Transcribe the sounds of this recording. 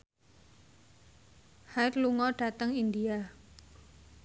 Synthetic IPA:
haɪt̪luŋɔɖ̥a̤t̪əŋind̪ia

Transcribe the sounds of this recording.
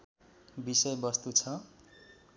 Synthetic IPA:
bisʌjbʌst̪ut͡sʰʌ

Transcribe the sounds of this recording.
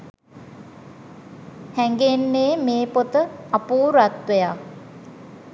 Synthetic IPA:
hɛŋɡenːeːmeːpot̪əɐpuːɾat̪ʋeja

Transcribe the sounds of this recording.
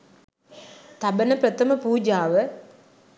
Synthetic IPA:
t̪abənəpɾɐt̪ɐməpuːd͡ʒaːʋə

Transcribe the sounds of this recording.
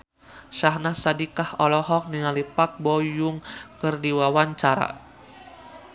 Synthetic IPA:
ʃaɦnahsadikahɔlɔɦɔk̚niŋalipak̚bɔjʊŋkɨrdiwawaɲt͡ʃaɾa̰

